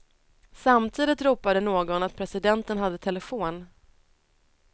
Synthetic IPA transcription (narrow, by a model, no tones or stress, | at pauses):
samt̪ʰiːd̪ɪt̪ɾuːpad̪ənoːɡɔnat̪̚pʰɾɛsɪd̪ɛnt̪ənɦad̪ːət̪ʰɛləfoːn